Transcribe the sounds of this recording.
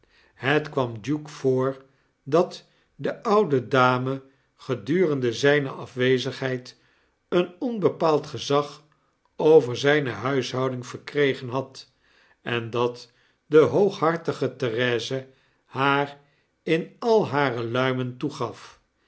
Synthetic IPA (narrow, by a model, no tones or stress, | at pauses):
ɦətkʋɑmd͡ʒukfoːɹ | dɑt | dəʔʌwdədaːmə | χədyːrəndəzɛjnə̰ʔɑfʋejzəχɦɛjt | ənɔnbəpaːlˠtχəzɑχ | owvəɹzɛjnəɦœɥsɦɑwdɪŋv̥əɹkrejχənɦɑt | ɛndɑt | dəɦowχɦɑɹtəχətɛrɛːzə | haːr | ɪnɑlˠɦaːrəlœɥməntuχɑf